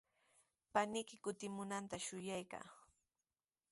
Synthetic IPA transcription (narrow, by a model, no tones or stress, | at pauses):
panɪkɪkʊt̪ɪmʊnant̪aʃʊjajka̰ː